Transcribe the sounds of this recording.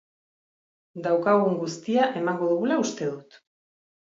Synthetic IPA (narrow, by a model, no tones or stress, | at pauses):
d̪awkaɣ̞uŋɡust̪iaʔe̞maŋɡo̞ðuɣulaust̪e̞ðut̪